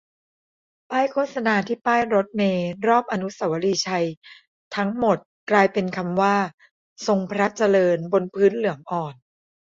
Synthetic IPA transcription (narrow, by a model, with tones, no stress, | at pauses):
paː˥˩jkʰoː˥˩t̪̚sa˧naː˧t̪ʰiː˥˩paː˥˩jɾo˦˥t̪̚meː˧ɾɔː˥˩p̚ʔa˧nu˦˥sa˩˦wa˦˥liː˧t͡ɕʰa˧j | t̪ʰa˦˥ŋmo˨˩t̪̚klaː˧jpe˧nkʰa˧mwaː˥˩ | so˧ŋpʰɾa˦˥t͡ɕa˧lɤː˧nbo˧npʰɯː˦˥nlɯ˩˦əŋʔɔː˨˩n